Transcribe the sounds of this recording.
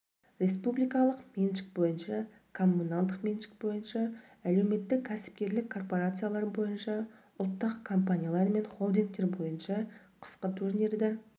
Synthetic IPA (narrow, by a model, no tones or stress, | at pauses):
ɾe̞spublijkɑlˠəqmenʃɪ̥k̚bo̞jənʃɑ | kʰo̞mːunalˠd̪əqmʲenʃɪ̥k̚bo̞jənʃɑ | æle̞wme̞t̪ːɪkʲʰːæsɪ̥p̚kʲe̞ɾlɪkʰːo̞rpo̞ɾat̪sɨjalˠɑɾbo̞jənʃɑ | ʊlˠt̪ːəqkʰo̞mpanʲijalˠɑɾme̞nχo̞lˠd̪iŋk̚t̪e̞ɾbo̞jənʃɑ | qʰə̥sqət̪ʰuʒne̞ɾd̪eɾ